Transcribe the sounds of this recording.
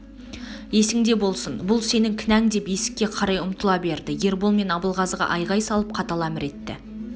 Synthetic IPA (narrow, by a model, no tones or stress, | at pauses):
je̞sɪŋd̪e̞bo̞lˠsənbʊlˠse̞nɪŋkʲʰɪnæŋd̪e̞pje̞sɪ̥kʲːe̞qʰɑɾɑjʊmt̪əlˠɑbe̞ɾd̪ɪje̞ɾbolˠme̞nɑbəlˠʁɑzʁɑ̰ʔɑjʁɑjsɑlˠəp̚qʰɑt̪ɑlˠɑmɪɾe̞t̪ːɪ̰